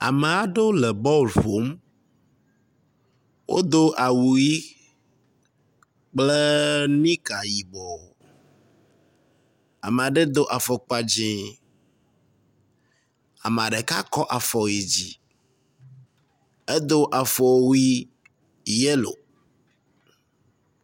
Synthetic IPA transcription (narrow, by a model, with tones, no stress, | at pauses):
a̰˨me˨a˨ɖo˦lɛ˨bɔ˦˨lɸo˨˦m | wʔo̰˦d̪o˦ʔa˨wu˨ji˦ | k͡ple˦nĩ˦ka˨ji˨bɔ˨ | a˨me˨a˨ɖe˦d̪o˦ʔa˨fɔ˨k͡pa˨d͡ʑẽ˨˦ | a̰˨m˨a˨ɖe˨ka˦kɔ˦ʔa˨fɔ˨ji˨d͡ʑi˨ | e˦d̪o˦ʔa˨fɔ˨wi˦˨ | je˦lo̰˨